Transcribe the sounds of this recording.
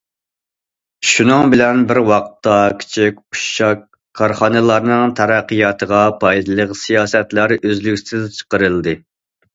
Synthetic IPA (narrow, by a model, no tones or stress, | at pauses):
ʃunɨŋbɪlɛnbɪɾwɑq̚t̪ːɑkʲʰi̥t͡ʃʰikʲuʃt͡ʃɑkʰː | ɑɾχɑnɨlˠɑɾnɨŋt̪ʰæɾæqːɨjɑːt̪ʰəʁɑpʰɑjd̪ɨlˠəʁsijɑːsɛt̪lˠæɾʔøzlykʲsɪzt͡ʃʰə̥qəɾɨlˠd̪ɨ